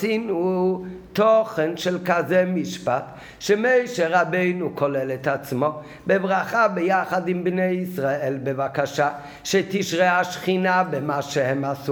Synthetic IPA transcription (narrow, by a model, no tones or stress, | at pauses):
sinu | t̪ɔχɛnʃɛlˠkazɛmiʃpat | ʃɛmeɪʃɛɾabeɪnukʰɔlɛlɛt̪at͡smɔ | bɪbʁaχabɪjaχadɪmbneɪisʁaɛlbevakaʃa | ʃɛt̪iʃʁɛaʃχinabɪmaʃɛhɛmasu